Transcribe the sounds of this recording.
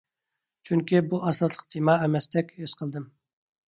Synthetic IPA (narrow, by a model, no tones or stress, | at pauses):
t͡ʃʰyŋkʲibuɑsɑslˠə̥q̚d̪ʰimɑɛmɛst̪ʰɛkʲhesqʰəlˠd̪ɨm